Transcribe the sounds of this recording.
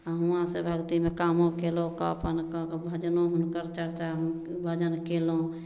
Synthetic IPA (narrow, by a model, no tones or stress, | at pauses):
aɦuãsebʱəɡt̪imekamõkeloka̰ə̰pənkkbʱəd͡ʒnoɦunkəɾt͡ʃəɾt͡ʃa | bʱəd͡ʒənkelõ